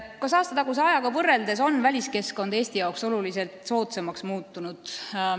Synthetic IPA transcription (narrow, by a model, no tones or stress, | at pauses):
kɑsɑːst̪ɑt̪ɑɡuseɑjɑɡɑvɤrːe̞ld̪e̞so̞nːvælʲiske̞sko̞nd̪̥e̞ːsʲt̪ijɑwkso̞lulise̞lt̪ˑso̞ːt̪semɑksmuːt̪ˑːunud̪̥